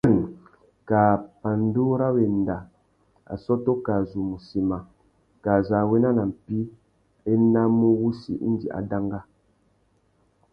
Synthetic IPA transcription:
ɾi˨ŋ | ka˨pa˨n˦du˦ɾa˦we˨n˨da˨ | a̰˨sɔ˦to˦ka˨zu˨mu˨si˨ma˨ | ka˨za˨we˦na˦na˨m̩˨pi˦ | e˦na˦mu˦wu˦sḭ˨ʔḭ˦n˦dḭ˨ʔa̰˨da˦ŋɡa˦

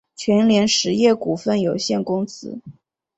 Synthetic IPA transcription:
t͡ɕʰɥɛ˧˥nljɛ˧˥nʂɻ̩˧˥jɛ˥˩ku˨˩fə˥˩njo˨˩ʊɕjɛ˥˩nkʊ˥ŋt͡sɹ̩˥

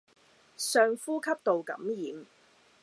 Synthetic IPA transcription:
sœː˨˧ŋfuː˥kʰɐ˥p̚t̪o˨wkɐ̰˨˥mjiː˨m

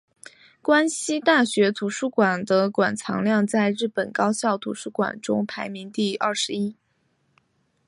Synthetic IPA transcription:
kwa˥nɕi˥t̪a˥˩ɕɥɛ˧˥t̪ʰu˧˥ʂu˥˩kwa˨˩nd̪ə˦kwa˨˩nt͡sʰɑ̰˧˥ŋljɑ˥˧ŋt͡sa˥˧ɪɻɻ̩˥˩pə˨˩nkɑ˥ʊɕjɑ˥˩ʊt̪ʰṵ˧˥ʂu˥˩kwa̰˨˩nʈ͡ʂʊ̰˥ŋpʰa˧˥ɪmi˧˥ŋt̪i˥˧ɐ˥˩ʂɻ̩˧˥i˥

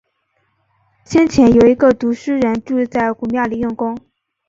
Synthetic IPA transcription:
ɕjɛ˥nt͡ɕʰjɛ˧˥njo˨˩ʊi˧˥ɡə˧t̪u˧˥ʂɻ̩˥ɻə˧˥nʈ͡ʂu˥˧t͡sa˥˩ɪku˨˩mja˥˩li˧˥˩jʊ˥˩ŋkʊ˥ŋ

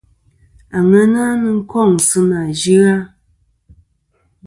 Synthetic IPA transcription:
a˨ŋɛ˦na˦nɨ˦ŋ̩˦kɔ˦˨ŋ˨sɨ˦na˨d͡ʒi˦a˦

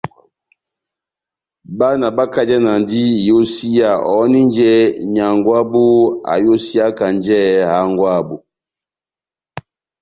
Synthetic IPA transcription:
ba˦na˨ba˦ka˦d͡ʒɛ˦na˨n˨di˦˨jo˦si˦ja˨ʔɔ˨˦ni˦nd͡ʒɛ˦ɲa˨ŋɡwa˦bu˦a̰˨jo˦si˦a˦ka˨nd͡ʒɛ˦ha˨˦ŋɡwa˦˨bu˨

